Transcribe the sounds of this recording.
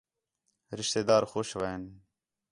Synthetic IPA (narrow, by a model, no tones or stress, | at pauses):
ɾɪʃt̪eːd̪aːɾxoːʃʋaːen